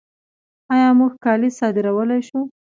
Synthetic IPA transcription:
ɑjɑmuɡkɑlisɑd̪ɪɾawəlajʃu

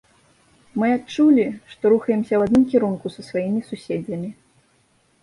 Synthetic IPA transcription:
mɨat͡ʂulʲiʂt̪ɔɾuxɐjɛmsʲɐwad̪nɨmkʲiɾunkusɐsvajimʲisusʲed͡zʲɐmʲi

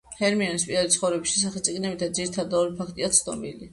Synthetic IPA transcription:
hɛɾmiɔnispʼiɾad̪it̪sχɔvɾɛbisʃɛs̬aχɛt̪sʼiɡnɛbit̪ʰad̪ziɾit̪ʰad̪ɔlipʰak̚ʰt̪ʼiat̪sʰnɔbḭli

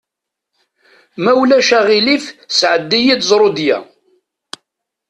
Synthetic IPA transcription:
mæwlæʃæʁilifsʕəd̪ːijid̪zˤɾˤod̪jæ̰

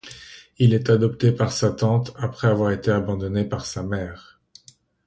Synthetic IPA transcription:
ilɛt̪ad̪ɔpt̪epaʁsat̪ɑ̃t̪apχɛavwaʁet̪eabɑ̃d̪ɔnepaʁsamɛːʁ

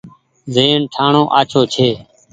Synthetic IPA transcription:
zeːɳʈʰaːɳõːʔaːt͡ʃʰoːt͡ʃʰeː

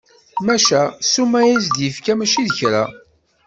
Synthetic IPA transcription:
mæʃæsumæjæsd̪jəfkæmæʃiðəçɾæ̰

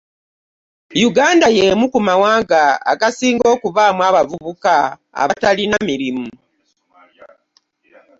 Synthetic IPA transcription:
juɡaːndajemukumawaːɡaa̰ɡasiːŋɡo̞ːkuβaːmwaβavuβuka | a̰βatalinamiɾimu

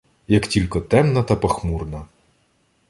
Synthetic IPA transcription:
jɐktʲilʲkɔt̪ɛmnɐt̪ɐpɐxmurnɐ

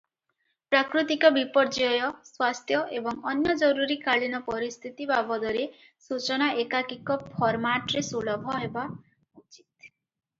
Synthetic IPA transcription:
pɾakɾut̪ikɔbipɔɾd͡ʒɔjɔswast̪ʰjɔʔebɔŋɔnjɔd͡ʒɔɾuɾikaɭinɔpɔɾist̪ʰit̪ibabɔd̪ɔɾe | sut͡ʃɔnaʔekakikɔpʰɔɾmaʈɔɾesuɭɔbʱɔɦeba | ut͡ʃit̪̚

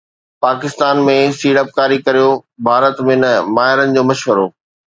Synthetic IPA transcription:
paːkɪst̪aːnmẽsiːɽəp̚kaːɾikɐɾijobʱaːɾət̪mẽnɐmaːɦɪɾənɪ̆d͡ʑoːmɐʃʋəɾoː

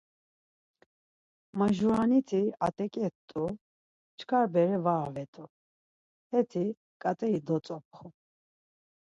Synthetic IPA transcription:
maʒuanit̪ʰiat̪ʼɛkʼɛt̪ʼu | t͡ʃʰkʰaɾbɛɾɛvaːvɛt̪ʼu | hɛt̪ʰi | kʼat̪ʼɛid̪ɔt͡sʼɔp̚ʰχu

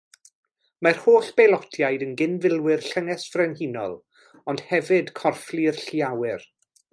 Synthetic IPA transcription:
marhoːɬb̥elˠɔtʰjajdənɡɪnvɪlˠwɪrɬəŋɛsvrɛnhinɔ̰lˠ | ɔnd̥hɛvɨd̥kʰɔrflirɬiawɪr

